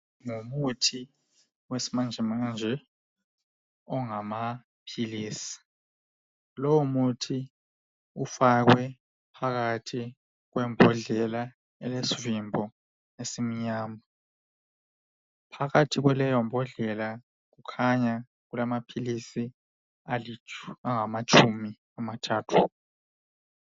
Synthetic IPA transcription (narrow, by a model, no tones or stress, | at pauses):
ŋumutʰi | wesi̥mand͡ʒʱimand͡ʒʱɛ | ɔŋama | pʰiliːsi̥ | lɔwumutʰi | ufaɣwɛ | pʰaɣatʰi | ɣwɛmbʱɔɮɛla | ɛlesivimbʱɔ | esimiɲaːma | pʰaɣatʰiɣwɛlɛjɔmbʱɔɮɛla | ɣukʰaɲa | ɣulamapʰilisi | aliaŋamat͡ʃʼʰumi | amatʰaːtʰu̥